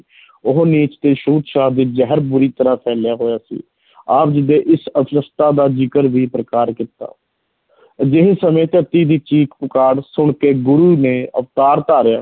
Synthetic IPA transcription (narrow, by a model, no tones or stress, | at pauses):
ʊɦoniːt͡ʃt̪eːʃuːt̪ʃaːɦd̪iːd͡ʒɛɦəɾbʊɾiːt̪əɾãːpʰɛːlɪjaːɦoːjaːsḭː | aːp̚d͡ʒɪd̪eːʔɪsəsəst̪aːd̪aːd͡ʒɪkəɾʋiːpɾəkaːɾkɪt̪a̰ː | d͡ʒɪɦesəmẽːt̪əɾt̪iːd̪iːt͡ʃiːkpəkaːɽsʊɳkeːɡʊɾuːnẽːə̰ʋt̪aːɾt̪aːɾɪjaː